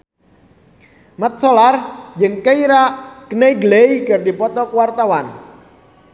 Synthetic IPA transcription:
mat̪̚sɔlard͡ʒəŋkeiɾaʔkəneɡlejkɨrdipɔt̪ɔkwart̪awan

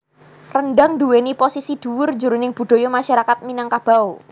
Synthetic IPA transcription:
rənɖaŋduweniposisid̥ṳwʊrd͡ʒuɾunɪŋb̥ṳd̪̥o̤jomaʃaɾakat̪̚minaŋkab̥a̤u

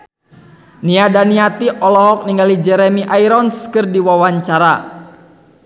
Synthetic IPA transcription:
niadaniat̪iʔɔlɔɦɔk̚niŋɡalid͡ʒɛɾɛmiʔaiɾɔnskɨrdiwawaɲt͡ʃaɾa

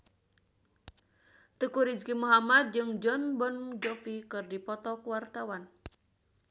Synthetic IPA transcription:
t̪əkuɾid͡ʒkimuɦamad̪̚d͡ʒɨŋd͡ʒɔnbɔnd͡ʒɔfikɨrdipɔt̪ɔkuwart̪awan

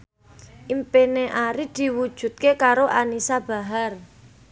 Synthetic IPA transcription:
ʔimpeneʔaɾid̪̥i̤wud̥ʒ̥ṳt̪̚kekaɾoʔanisab̥a̤ɦar

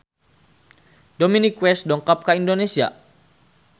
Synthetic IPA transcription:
dominikwɛsdɔŋkap̚kaindonesia̰

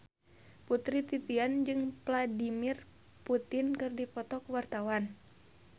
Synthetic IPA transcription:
put̪ɾit̪it̪iand͡ʒɨŋpladimir | put̪ɪnkɨrdipɔt̪ɔkwart̪awan

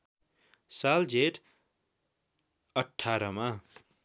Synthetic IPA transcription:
sald͡zeʈ | ʌʈʰːaɾʌma

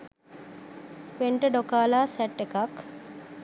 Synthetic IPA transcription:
peɳʈəɖokaːlaːsɛʈːekak

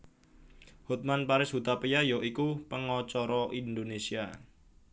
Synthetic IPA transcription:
hut̪̚manpaɾɪshut̪apijajoikupəŋɔt͡ʃɔɾɔʔind̪onesia

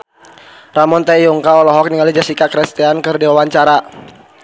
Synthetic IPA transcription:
ramɔnt̪ajɔŋkaɔlɔɦɔk̚niŋalid͡ʒasikakɾɛst̪iankɨrdiwawaɲt͡ʃaɾa

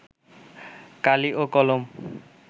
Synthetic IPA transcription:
kaliʔokɔlom

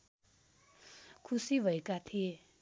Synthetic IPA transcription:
kʰusibʱʌekat̪ʰie

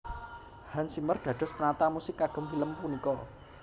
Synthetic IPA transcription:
hansimərd̪̥ä̤d̥ɔ̤spənat̪amusɪkːaɡ̥ə̤mfiləmpunikɔ

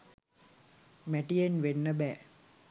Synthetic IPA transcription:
mæʈijenʋenːəbæː

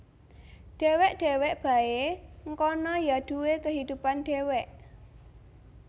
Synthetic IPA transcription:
ɖ̥e̤wɛʔɖ̥e̤wɛʔb̥ä̤eŋkɔnɔjad̪̥uwekəɦid̪̥upanɖ̥ewɛʔ

